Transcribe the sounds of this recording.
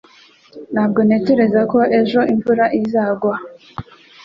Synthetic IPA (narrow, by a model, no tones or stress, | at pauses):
n̥haːb̚ɡo̞ne̞ce̞ɾe̞zako̞ʔe̞ʒo̞iɱvuɾaʔizaːɡwa